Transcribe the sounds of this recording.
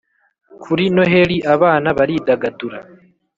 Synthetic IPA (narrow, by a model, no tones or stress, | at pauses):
kʰuɾino̞ɦeɾiʔaβaːnaβaɾidaɡaduɾa